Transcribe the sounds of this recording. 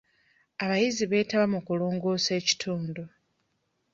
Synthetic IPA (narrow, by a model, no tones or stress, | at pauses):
aβajiziβe̞ːtaβamukulo̞ːŋɡo̞ːse̞ːci̥tʰuːndo